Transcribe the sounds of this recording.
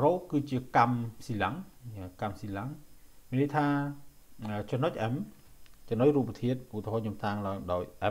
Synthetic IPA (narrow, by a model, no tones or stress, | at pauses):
roːkɨːt͡ɕiəkamsiːlaŋkamsiːlaŋmiənɗəjt̪ʰaː | ət͡ɕɔmnːoc̚ʔɛm | t͡ɕɔnoc̚ruːp̚ːət̪ʰiət̪̚ʔut̪ːeɦɔːɲomt̪ʰaːŋlaɔŋɗaɔjʔɛm